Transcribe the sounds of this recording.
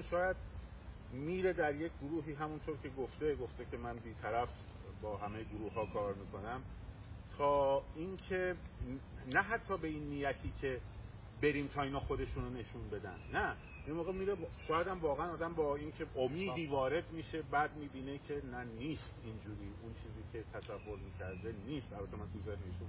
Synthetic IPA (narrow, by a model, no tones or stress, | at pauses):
nʃɒːjæd̪̚ | miːɾe̞d̪æɾje̞cʰʲɡoɾuːɦiːɦæmunt̪ʰoɾcʰe̞ɡoft̪e̞ɡoft̪ecʰe̞mænbiːt̪ʰæɾæf | bɒːɦæmejeɡoɾuːhɦːɒːkʰɒːɾmiːkʰo̞næm | t̪ʰɒːinkʰe̞ | næɦæt̪ʰːɒːbe̞inːiːjæt̪ʰiːcʲʰe̞ | be̞ɾiːmt̪ʰɒːiːnɒːxo̞d̪e̞ʃunone̞ʃunbe̞d̪æ̰nd̪næ | inmoːɣemiːɾebʃɒːjæd̪æmvɒːɣeænɒːd̪æmbɒːincʰe̞ʔomiːd̪iːvɒːɾe̞d̪miːʃe̞bæːd̪̚miːbiːne̞cʰe̞næniːst̪ind͡ʒuːɾiːʔunt͡ʃʰiːziːcʰe̞t̪ʰæsævːoɾmiːcʰæɾd̪e̞niːst̪ʔælbæt̪ʰemænd̪ozæʃneʃu